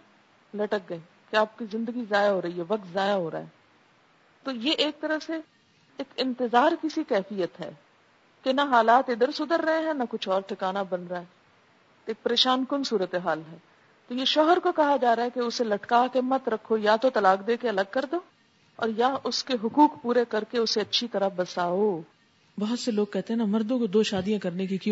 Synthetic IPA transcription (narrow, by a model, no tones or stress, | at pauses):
lɐʈək̚ɡɐẽ | keaːp̚kizɪ̃nd̪əɡizaːjaɦoːɾɐɦiɦɛʋɐk̚t̪zaːjaɦoːɾa̰ːɦɛː | t̪oːjeʔeːk̚t̪ɐɾəfse | eːkɪ̃nt̪ɪzaːɾkisikɛːfijət̪ɦɛ̰ː | kenaɦaːlaːt̪ɪd̪əɾsʊd̪əɾːɐɦẽɦɛ̃nɐkʊt͡ʃʰɔːɾʈʰɪkaːnabɐnɾaɦɛ | eːk̚pɐɾeːʃaːnkʊnsuːɾət̪eɦaːlɦɛː | t̪ojeʃɔːɦəɾkokɐɦad͡ʒaːɾaɦɛkeʊselɐʈkakemːɐt̪ɾɐkʰːojaːt̪ot̪ɐlaːkd̪eːkeɐləɡ̚kɐɾd̪oː | ɔ̰ːɾjaʔʊskeɦʊkuːkpuːɾekɐɾkeʊseɐtːʃʰit̪ɐɾabɐsaːoː | bɐɦʊt̪seloːɡ̚kɛɦt̪eɦɛ̃namɐɾd̪õkod̪oːʃaːd̪ijãkɐɾnekikj̃